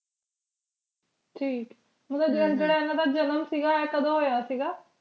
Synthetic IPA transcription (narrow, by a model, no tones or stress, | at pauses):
ʈʰiːk | mə̃d̪aːd͡ʒəəd͡ʒeːɽaːenãd̪aːd͡ʒənəmsiːɡaːɛːkəd̪õːɦoːjaːsiːɡaː